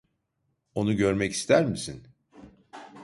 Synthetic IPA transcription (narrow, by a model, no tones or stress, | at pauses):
o̞nuɟø̞ɾmɛci̥st̪ʰæɾmisin